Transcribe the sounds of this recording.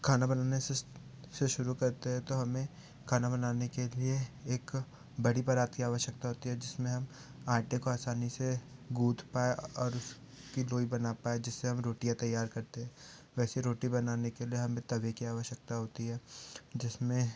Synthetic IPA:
kʰaːnabɐnaːne | seʃʊɾukɐɾt̪eɦɛ̃t̪oɦɐmẽ | kʰaːnabɐnaːnekelieeːk | bɐɽipɐɾaːt̪kiaːʋəʃjək̚t̪aɦoːt̪iɦɛd͡ʒɪsmẽɦɐm | aːɾʈẽkoaːsaːniseɡuːt̪ʰpaːeʔɔːɾʊs | kiloːibɐnapaːed͡ʒɪsːeɦɐmɾoːʈijãt̪ɐjːaːɾkɐɾt̪eɦɛ̃ː | ʋɛːseɾoːʈibɐnaːnekelieɦɐmẽt̪ɐʋekiaːʋəʃjək̚t̪aɦoːt̪iɦɛːd͡ʒɪsmẽ

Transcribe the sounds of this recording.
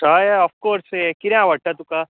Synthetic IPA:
ʈaːjɔfkoːɾsekiɾãʋɐʈːat̪uka

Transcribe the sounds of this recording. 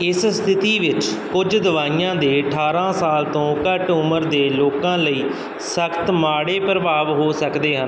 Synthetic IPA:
ɪsst̪ʰɪt̪iːʋɪt͡ʃ | kʊd͡ʒd̪əʋaːiːãːd̪eːəʈʰaːɾãːsaːlt̪õːkəʈʊməɾd̪eːloːkãːləiː | səkʰt̪maːɽeːpɾəʋaːʋɦoːsəkd̪eːɦən

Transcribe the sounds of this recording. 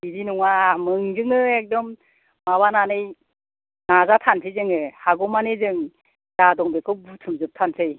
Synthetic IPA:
bizinuŋamɯŋzɯŋɯek̚dɔmː | aβananɯj | nazatʰantʰɯjzɯŋɯhaɡɔmanezɯŋ | zadɔŋbekʰɯbutʰɯmzɯp̚tʰantʰɯj

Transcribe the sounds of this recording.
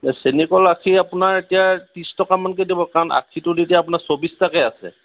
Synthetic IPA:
senikɔlakʰiapʊnaɹetijatĩstɔkamankedibɔkaɹɔna̰kʰitʊdetijaːpʊnaɹsobistakɛasɛ̰

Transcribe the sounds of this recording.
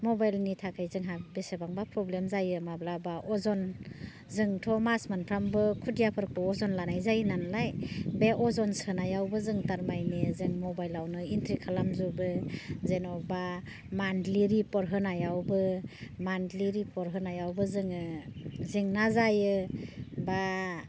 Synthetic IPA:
mɔbajlnitʰakʰajzɯŋɦabesebaŋbapʰɾɔblemzajɯmablabaʔɔzɔn | zɯŋtʰɔmasmanpʰɾambɯkʰudijapʰɯɾkʰɔɔzɔnlanajzajnanlajbeʔɔzɔnsɯnajawbɯzɯŋtaɾmajnezɯŋmɔbajlawnɯintʰɾikʰalamzubɯzenɔba | mandliɾipɔɾɦɯnajawbɯmandliɾipɔɾɦɯnajawbɯzɯŋɯziŋnazajɯ | ba

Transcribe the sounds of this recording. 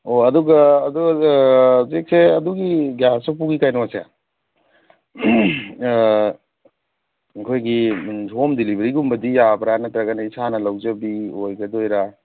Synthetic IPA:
oɐduɡɐɐduɡɐ | zek̚seɐduɡiɡjasapuɡikajnɔwasea̰ | kʰojɡiomdilibeɾiɡumbɐdijabɾanɐtɾɐɡɐnɐisanɐlawd͡ʒɐbiojɡɐdojɾa

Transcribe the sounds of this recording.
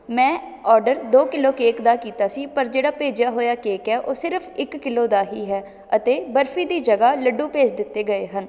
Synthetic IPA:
mɛ̃ː | ɔːɾɖəɾd̪oːkɪloːkeːkd̪aːkiːt̪aːsiːpəɾd͡ʒeːɽaːpeːd͡ʒaːɦoːjaːkeːkɛːʔoːsɪɾəfʰɪkːɪloːd̪aːɦiːɦɛː | ət̪eːbəɾfʰiːd̪iːd͡ʒəɡaːləɖːũːpeːt͡ʃd̪ɪt̪ːeːɡəeːɦən

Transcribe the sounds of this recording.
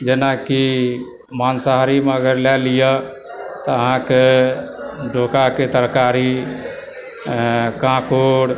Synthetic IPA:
d͡ʒenaki | mansaɦɾimeəɡəɾlɛlijə | t̪ɔəɦãke | ɖʱokaket̪əɾkaɾi | kãkoɽ

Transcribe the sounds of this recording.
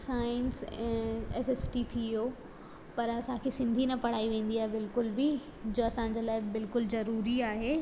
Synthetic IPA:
saːɪnsɛ̃ːeːsesʈit̪ʰio | pɐɾɐsãkʰesɪ̃nd̪ʱinɐpɐɽ̤aːiʋẽːn̆d̪iaːɦebɪlkʊlbi | d͡ʑoːɐsãːɲ̆d͡ʑəlaːɪbɪlkʊlzɐɾuːɾiaːɦeː

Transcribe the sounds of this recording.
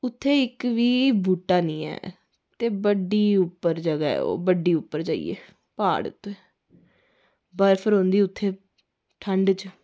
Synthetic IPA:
ʊt̪ʰːeːɪkʋiːbʱuːʈːaːnĩːɛ̰ː | t̪eːbəɖiːʊpːəɾd͡ʒəɡa̰ːo̰ːbəɖiːʊpːəɾt͡ʃaːḭːḛː | paːɽʊ̰t̪ʰːe | bəɾpʰəɾɦõːnd̪iːʊt̪ʰːeː | ʈʰəɳɖt͡ʃ

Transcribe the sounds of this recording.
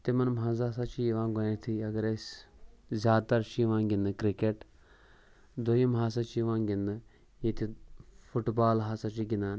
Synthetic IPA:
t̪emɐnmɦãːzaːsat͡ʃʰiʋãːɡonẽt̪ʰiɐɡɐɾesʲ | zʲaːd̪t̪ɐɾt͡ʃʰiʋãːɡʲind̪ɨkɾikeʈ | d̪oimɦaːs̬at͡ʃiʋãːɡʲind̪ɨ | jet̪ifuʈbaːlɦaːsat͡ʃiɡʲinaːn

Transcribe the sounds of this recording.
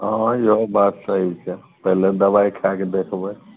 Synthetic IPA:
ɦãjiɦobat̪səɦit͡ʃʰɛ | pəɦled̪əbaikʰaked̪ekʰbe

